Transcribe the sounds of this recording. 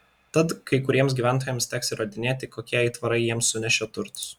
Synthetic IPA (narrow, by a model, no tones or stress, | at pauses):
t̪ɐt̪kɐɪkʊɾʲiɛms̬ʲɡʲiːʋʲæˑnt̪̬oɔːjɛmsʲt̪ʲæːksʲɪɾɐd̪ʲɪnʲeːt̪ʲɪkoːkʲiɛiːt̪ʋɐɾɐɪjiɛmsːʊnʲɛʃʲoːt̪ʊɾt̪ʊ̥s